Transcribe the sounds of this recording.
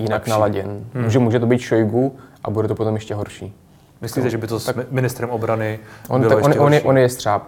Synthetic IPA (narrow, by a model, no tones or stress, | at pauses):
jɪnaknalaɟɛnmuːʒɛmuːʒɛt̪obiːt̪ʃojɡuʔa̰budɛt̪opot̪omjɛʃcɛɦoɾʃiː | mɪslit̪ɛʒɛbɪt̪osakmɪnɪst̪ɾɛmʔobɾanɪʔonbɪlajɛononjɛʔonjɛst̪r̥aːp